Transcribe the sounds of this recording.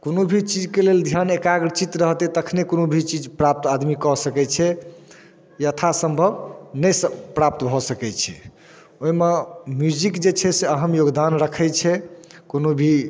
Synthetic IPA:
konobʱit͡ʃid͡ʒkeleld̪ʱjanekaɡɾt͡ʃit̪ɾəɦt̪ɛt̪əkʰnekonobʱit͡ʃid͡ʒpɾap̚t̪ad̪mikɔsəkɛt͡ʃʰɛ | jət̪ʰasəmbʱəbnəjsəpɾap̚t̪bʱɔsəkɛt͡ʃʰɛ̰ | oimemjud͡ʒikd͡ʒet͡ʃʰɛseəɦəmjoɡd̪anɾəkʰɛt͡ʃʰɛkonobʱi

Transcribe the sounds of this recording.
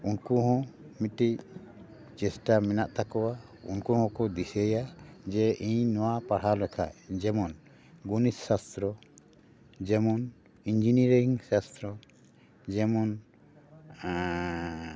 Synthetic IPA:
unkuɦɔ̃miʈic | t͡ʃɛsʈamɛnaʔt̪akɔwaṵnkuhɔ̃kɔd̪isɛjad͡ʒɛʔiɲnɔwapaɽ̤halɛkʰa̰ʔd͡ʒɛmɔn | ɡunisːast̪ɾɔ | d͡ʒɛmɔn | iɲd͡ʒiniɾŋsast̪ɾɔ | d͡ʒɛmɔn

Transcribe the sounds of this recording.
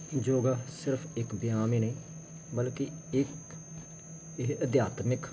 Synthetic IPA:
d͡ʒoːɡaːsɪɾpʰɪkbɪjaːmiːnəĩː | bəlkɪɪk | əd̪jaːt̪mɪk

